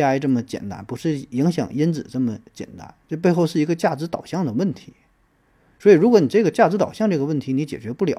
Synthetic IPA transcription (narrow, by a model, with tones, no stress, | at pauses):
a˥˧ʈ͡ʂɤ˥˩mə˩t͡ɕjɛ̰˨˩nt̪a̰˧˥npu˧˥ʂɻ̩˥˩ji˧˥ŋɕjɑ̰˨˩ŋi˥nt͡sɹ̩˨˩ʈ͡ʂɤ˥˩mə˩t͡ɕjɛ̰˨˩nt̪a̰˧˥nʈ͡ʂɤ˥˧p̬e˥˧ɪxo˥˧ʊʂɻ̩˥˩i˧˥ɡə˧t͡ɕja˥˩t͡sɻ̩˧˥t̪ɑ˨˩ʊɕjɑ˥˩ŋd̪ə˩wə˥˩nt̪ʰi̥˧˥ | swɔ˧˥i˨˩ɻu˧˥kwɔ˧˥ni˨˩ʈ͡ʂɤ˥˩ɡə˩t͡ɕja˥˩ʈ͡ʂɻ̩˧˥t̪ɑ˨˩ʊɕjɑ˥˧ŋʈ͡ʂɤ˥˩ɡə˩wə˥˩nt̪ʰi˧˥ni˧˥t͡ɕjɛ̰˨˩t͡ɕɥɛ˧˥pu˥˩ljɑ̰˨˥